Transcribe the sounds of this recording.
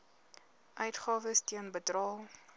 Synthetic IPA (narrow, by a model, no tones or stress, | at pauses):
ʔœɥtχɑːvəstiənbədrɑːlˠ